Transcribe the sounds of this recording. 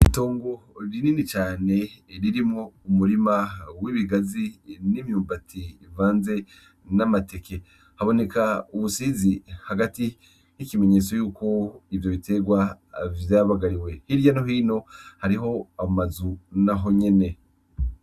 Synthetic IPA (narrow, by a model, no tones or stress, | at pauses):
ito̞ːŋɡo̞ɾininit͡ʃaːne̞ɾiɾimŋoumuɾimawiβiɡazinimjuːmbativaːnze̞ | namate̞ke̞ | haβo̞ne̞kauβusiːzihaɡati | hikime̞ɲe̞ːt͡so̞juːko̞ivjo̞βite̞ɡwa | vjaβaɡaɾiwe̞hiɾjanoɦiːno̞haɾiɦo̞amazunaɦo̞ɲe̞ne̞